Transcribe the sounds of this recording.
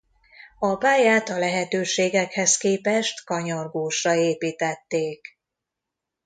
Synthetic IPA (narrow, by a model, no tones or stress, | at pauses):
ɒbaːjaːt̪ɒlɛɦɛt̪øːʃeːɡɛkhɛskeːpɛʃt̪kɒɲorɡoːʃrɒeːpiːt̪ɛt̪ːeːk